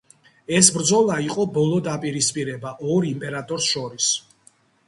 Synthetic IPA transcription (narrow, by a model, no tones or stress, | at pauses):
ɛsbɾd̪zɔlˠaiqʼɔbɔlˠɔd̪apʼiɾispʼiɾɛbaʔɔɾimpʼɛɾat̪ʼɔɾsʃɔɾis